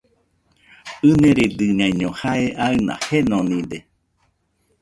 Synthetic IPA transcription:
ɨnẽɾed̪ɨɲãjɲõhaeʔaɨnã̰henõnĩd̪e

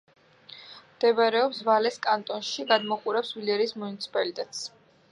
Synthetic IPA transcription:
md̪ɛvaɾɛɔpsvalɛskʼant̪ʼɔnʃiɡad̪mɔqʼuɾɛpsvilɛɾiːsmunit̪sʰi̥pʼalit̪ʼɛt̪ʼs

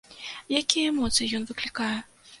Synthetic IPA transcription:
jakʲijɛɛmɔt̪sɨjijɔnvɨklʲikajɛ

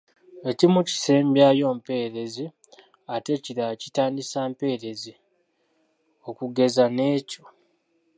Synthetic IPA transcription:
e̞cimuci̥se̞ːmbjajo̞ːmpe̞ːɾe̞zi | ate̞ciɾacitaːndisaːmpe̞ːɾe̞zi | o̞kuɡe̞zane̞ːco

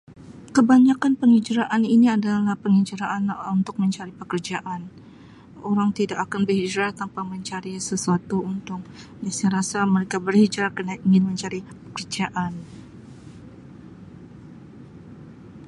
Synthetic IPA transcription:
kəbaɲakanpəŋid͡ʒɾaʔaniniadalahpəŋid͡ʒaɾaʔanunt̪ʊk̚məɲt͡ʃaɾipəkərd͡ʒaʔan | oɾaŋt̪idakakanbərhid͡ʒɾat̪ampaməɲt͡ʃaɾisəsuat̪uunt̪ʊk̚dasaɾasaməɾekabərhid͡ʒɾakənaiŋɪnməɲt͡ʃaɾipə̥kərd͡ʒaʔan

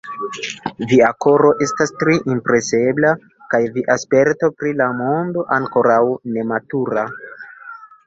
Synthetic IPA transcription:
viako̞ɾo̞ʔe̞stastɾiʔimpɾe̞sebla | kajviʔaspe̞ɾtopɾilamo̞ndo̞ʔaŋko̞ɾawne̞matuɾa

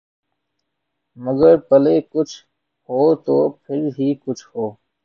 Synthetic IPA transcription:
məɡəɾpəleːkʊt͡ʃʰ | hoːt̪oːpʰɪɾɦiːkʊt͡ʃʰhoː

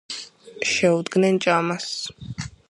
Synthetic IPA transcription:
ʃɛud̪ɡnɛnt͡ʃʼamas

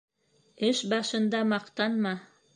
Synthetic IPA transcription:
ɘʃbɑʃɤ̆nd̪ɑmɑqt̪ɑnmɑ

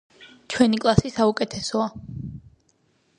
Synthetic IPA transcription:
t͡ʃʰwɛnikʼlˠasisaukʼɛt̪ʰɛsɔa

